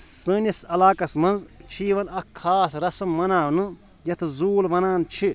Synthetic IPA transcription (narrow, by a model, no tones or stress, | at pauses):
sɨːnisɐlaːkɐsmɐ̃nzt͡ʃʰiːʋɐnɐkʰːaːsɾɐsɐmːɐnaːʋnɨ | jɐt̪ʰzuːlʋɐnaːnt͡ʃʰi